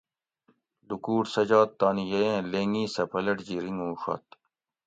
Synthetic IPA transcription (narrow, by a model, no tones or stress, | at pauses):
d̪ukuːʈsɐd͡ʑaːt̪ːaːnijɐjẽːleːŋĩːsɐpʰɐlɐʈd͡ʑiɾiŋɡũːʂɐ̰ːt̪̚